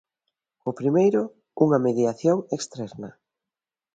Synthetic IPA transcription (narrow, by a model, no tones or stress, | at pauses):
ʊpɾimejɾʊ | uŋɐmeðjaθjoŋekst̪ɾɛɾnɐ